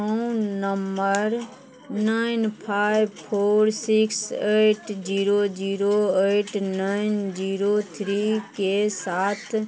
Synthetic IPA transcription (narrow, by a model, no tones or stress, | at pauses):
nəmbəɾ | naɪnpʰaɪjʋpʰoːɾsɪkseʈd͡ʒiːɾod͡ʒiːɾoeʈnaɪnd͡ʒiːɾot̪ʰɾikesaːt̪ʰ